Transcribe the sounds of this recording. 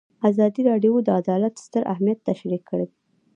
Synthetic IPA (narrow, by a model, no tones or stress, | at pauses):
azɑd̪iɾɑɖijod̪əad̪ɑlat̪st̪əɾa̰hmijat̪ːaʃɾikʰːəɽed̪e